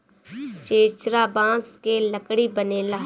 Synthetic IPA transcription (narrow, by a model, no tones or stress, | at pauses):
t͡ʃeːt͡ʃɾaːbãːskeləkɽibəneːlaː